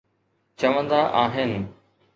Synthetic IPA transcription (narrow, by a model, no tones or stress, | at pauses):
t͡ɕɐʋə̃nd̪aʔaːɦɪnɪ̆